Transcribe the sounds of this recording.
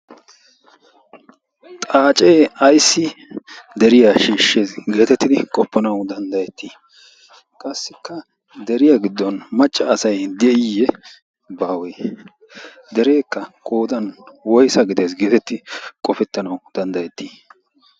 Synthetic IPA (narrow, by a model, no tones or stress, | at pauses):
t̪ʼaːt͡ʃʼeːɐjsːɪd̪ɛɾɪjaʃiːʃːeːsɡe̞ːt̪ɛt̪ːɪd̪ɪkʼɔpːɐnɐwd̪ɐnd̪ɐjɛt̪ːiː | kʼɐsːɪkːɐ | d̪ɛɾɪjaɡɪd̪ːɔnmɐt͡ʃʼːɐːsɐjd̪ɛʔɪjɛ | baːweː | d̪ɛɾe̞ːkːɐkʼo̞ːd̪ɐnwɔjsɐɡɪd̪eːsɡeːt̪ɛt̪ːɪkʼɔfɛt̪ːɐnɐwd̪̥ɐnd̪ɐjɛt̪ːiː